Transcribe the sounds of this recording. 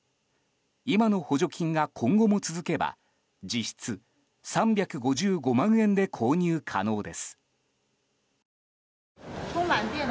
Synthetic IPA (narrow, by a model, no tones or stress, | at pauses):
imano̞ho̞ʑo̞kʲʰĩŋɡakʰõ̞ŋɡo̞mo̞t͡sɨzɨke̞ba̰ | d͡ʑiɕi̥t͡sɨ | sãmbʲjakɯ̟ɡo̞ʑɨːɡo̞mãɰ̃ẽ̞nd̪e̞kʰo̞ːɲ̟ɯːkʰa̰no̞ːd̪e̞sɨ̥ | tomant̪en